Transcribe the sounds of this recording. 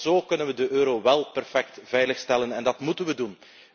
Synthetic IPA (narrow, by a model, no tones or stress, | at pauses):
zoːkɵnənʋədəʔøːɾoʋɛlˠpɛrfɛk̚tvɛjləxstɛlənɛndɑtmutənʋədun